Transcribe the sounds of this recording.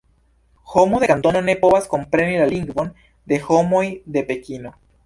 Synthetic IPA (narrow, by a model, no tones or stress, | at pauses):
xomoðekant̪o̞none̞po̞βasko̞mpɾe̞nilaliŋɡvo̞n | d̪e̞xo̞mo̞jd̪e̞pe̞kino̞